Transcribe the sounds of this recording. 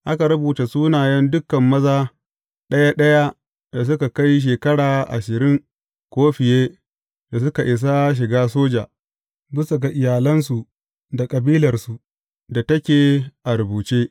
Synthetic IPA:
ʔa˦ka˨ɾɐ˦buː˨ta˨suː˦naː˨jɐ˦ndʊ˦kːɐ˨mːɐ˦zaː˦ | ɗɐ˦ja˦ɗɐ˦ja˦ | da˨s̬ʊ˦ka˨ka˦jʃ̬eː˨kɐ˦ɽaː˨ʔa̰˨ʃɪ˨ɾɪ˦ŋ | kʷoː˦ɸɪ˨jeː˦ | d̥a˨s̬ʊ˦ka˨ʔɪ˨s̬a˦ʃ̬ɪ˨ɡaː˦s̬oː˦d͡ʒa̰ː˨ | bɪ˦sa˨ɡa˨ʔɪ˨jaː˨lɐ˦nsu˨ʔ | da˨kʼɐ˨biː˦lɐ˨rsu˨ | da˨tɐ˦kʲeː˨ʔa˨ɾʊ˨buː˨t͡ʃeː˦

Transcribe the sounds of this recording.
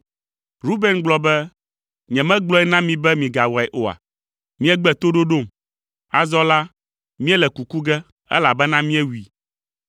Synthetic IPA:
ɾu˦be˦nɡ͡blɔ˦bɛ˦ | ɲɛ̃˨mɛ̃˦ɡ͡blɔ˦ɛ˦nã˦mĩ˨bɛ˦mĩ˨ɡa˨wɔ˨ɛ˨ʔo˨a̰˨ | mĩ˦ɛ˦ɡ͡bɛ˨t̪o˦ɖo˦ɖo˦˨m | a˨zɔ˦la˦ | mĩ˦ɛ˦lɛ˨ku˨ku˦ɡɛ˦ | ɛ̰˦la˨bɛ˦nã˦mĩ˦ɛ˦wi˨

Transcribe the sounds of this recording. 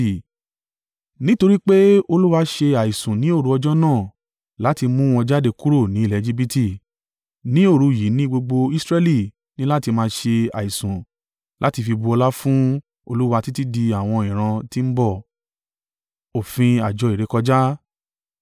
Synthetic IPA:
nĩ˦to˧ɾi˦k͡pe˦o˧lu˦wa˧ʃe˧a˨i˨sũ˨nĩ˨˦o˦˨ɾu˧˦ɔ˧d͡ʒɔ˦nãː˦˨ | la˨˦ti˧mũ˦ɔ̃˧d͡ʒa˦de˧ku˦ɾo˦˨nĩ˨˦˨ɛ˨˦˧d͡ʒi˦bi˦ti˦˨ | nĩ˨˦o˦˨ɾu˧˨ji˨˦nĩ˦ɡ͡bo˧ɡ͡bo˧i˦sɾɛ˧li˦˨ | nĩ˦la˦ti˧mãː˧ʃe˧a̰˨i˨sũ˨ | lʔa˨˦ti˧fi˧bu˧ɔ˧la˦fũ˦ | o˧lu˦wa˧ti˦ti˦di˧a˨w̃ɔ̃˧ĩ˨ɾ̃ã˧ti˦m̩˦bɔ˦˨ | o˨fĩ˧a˨d͡ʒɔ˨˧i˨ɾe˨˦kɔ˧d͡ʒa˦

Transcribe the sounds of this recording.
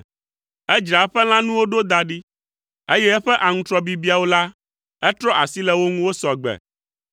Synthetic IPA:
ɛ˦d͡ʒɾa˨˦ɸɛ˦l̃ã˦nũ˦wo˦ɖo˦d̪a˨ɖi˦ | e˦jɛ˦ɛ˦ɸɛ˦ʔa˨ŋũ˦t̪ɾɔ˦bi˨bi˨˦a˨wo˦la˦ | ɛ˦t̪ɾɔ˦ʔa˨si˦lɛ˨wo˦ŋũ˦wo˦sɔ˨ɡ͡bɛ̰˨

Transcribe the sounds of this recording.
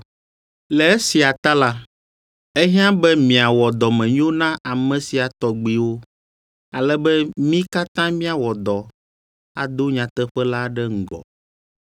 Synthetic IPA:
lɛ˨ɛ˦si˨a˨t̪a˦la˦ | ɛ˦ɦã˦bɛ˦mĩ˨a˨wɔ˨d̪ɔ˨mɛ̃˨ɲ˦õ˦nã˦a˨mɛ̃˨si˨a˨t̪ɔ˨ɡ͡bi˦wo˦ | a˨lɛ˦bɛ˦mĩ˦ka˦t̪ã˦mĩ˦a˨wɔ˨d̪ɔ˨ | a˨d̪o˦ɲã˨t̪ɛ˦ɸɛ˦la˦ɖɛ˦ŋ̩˨ɡɔ̰˨

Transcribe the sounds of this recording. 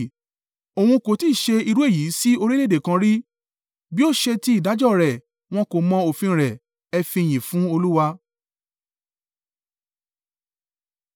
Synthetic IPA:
o˨w̃ũ˧ko˨ti˦˨ʃe˧i˧ɾu˦e˦˨ji˨˦si˦o˧ɾi˦le˦de˨kã˧ɾi˦ | bi˦o˦˨ʃe˧ti˦i˦˨da˨˦d͡ʒɔ˦˨ɾɛ˨ | w̃ɔ̃˦ko˨mɔ̃˧˦o˨fĩ˧ɾɛ˨ | ɛ˧fĩ˧˨j̃ĩ˨fũ˦o˧lu˦wa˧

